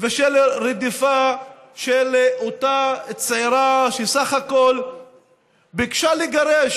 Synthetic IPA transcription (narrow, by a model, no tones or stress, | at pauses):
veʃelɾed̪ifa | ʃelot̪at͡seɾaʃesaχakol | bikʃaliɡaɾeʃ